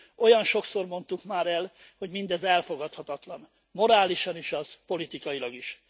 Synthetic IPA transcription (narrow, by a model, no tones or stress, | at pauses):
o̞jɒnʃo̞kso̞rmo̞nt̪ukmaːɾɛl | ho̞ɟmind̪ɛzɛlfo̞ɡɒt̪hɒt̪ɒt̪lɒn | mo̞ɾaːliʃɒniʃɒz̥po̞lit̪ikɒilɒɡiʃ